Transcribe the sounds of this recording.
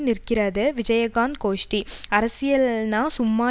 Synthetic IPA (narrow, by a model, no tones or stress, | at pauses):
nɪɾkɪɾɐðɯʋɪd͡ʒɐjɐɡaːnd̪̚koːʂʈiɐɾɐsɪjɐlnaːsʊmːaː